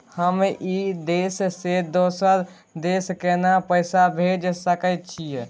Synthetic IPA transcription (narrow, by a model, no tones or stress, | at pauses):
həmid̪essed̪osəɾ | d̪eskenapəɪsabʱed͡ʒsəkət̪t͡ʃʰijɛ